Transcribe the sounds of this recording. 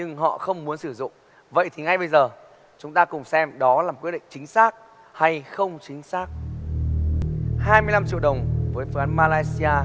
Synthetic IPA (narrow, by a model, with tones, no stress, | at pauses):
ɲɨ˧ŋɦɔ̰˧˨xə˧wŋ͡mmu˨˦ənsɨ˧˩zʊ̰˧˨ŋ͡m | və̰˧˨jt̪ʰi˨˩ŋa˧jɓə˧jzəː˨˩ | t͡ɕʊ˨˦ŋ͡mt̪aː˧kʊ˨˩ŋ͡msɛ˧mɗɔ˨˦laː˨˩mkwt̚ɗḭ̈˧˨ŋt͡ɕï˨˦ŋ̟saː˦˥k̚ | ha˧jxə˧wŋ͡mt͡ɕï˨˦ŋ̟saː˦˥k̚ | haː˧jmɨ˧əjla˧mt͡ɕḭ˧əwɗə˨˩wŋ͡mvəː˨˦jfɨ˨˦ʔaː˨˦nmaː˧laː˧jsi˧aː˧